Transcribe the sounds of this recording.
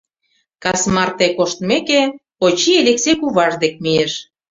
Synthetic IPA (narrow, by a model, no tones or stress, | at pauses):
kɑsmɑrt̪ekoʃt̪mekepot͡ɕieleksekuβɑʒd̪ek̚mieʃ